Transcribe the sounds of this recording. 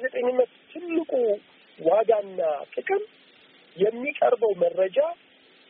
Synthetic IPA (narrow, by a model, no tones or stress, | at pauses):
zɛt̪ʼəɲːɨmːət̪t̪ʰːɨlːɨkʼu | waɡanːakʼɨkʼɨm | jɛmːikʼəɾbəwmərːəd͡ʒa